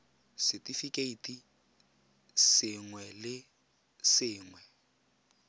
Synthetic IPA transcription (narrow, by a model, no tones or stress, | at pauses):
sɪtʼifikʼeitʼi | sɪŋwɛlɪ | sɪːŋwɛ